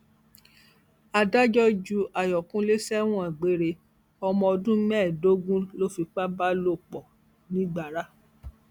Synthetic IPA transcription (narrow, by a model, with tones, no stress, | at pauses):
a˧da˦d͡ʒɔ˦d͡ʒu˧a˨jɔ˨kũ˦le˦sɛ˦w̃ɔ̃˦ɛ˨ɡ͡be˨˦ɾe˧ | ɔ˧mɔ̃˧ɔ˧dũ˦mɛ̃˦˨do˦ɡũ˦lo˦fi˧k͡pa˦ba˦lo˦˨k͡pɔ˨ | nĩ˦ɡ͡ba˨ɾa˦